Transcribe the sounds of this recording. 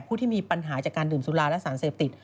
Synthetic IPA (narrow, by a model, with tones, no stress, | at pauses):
pʰuː˥˩t̪ʰiː˥˩miː˧pa˧nɦaː˩˦t͡ɕaː˨˩kːaː˧ndɯː˨˩msu˨˦laː˧lɛ˦˥ʔsaː˩˦nseː˨˩p̚t̪i˨˩t̪̚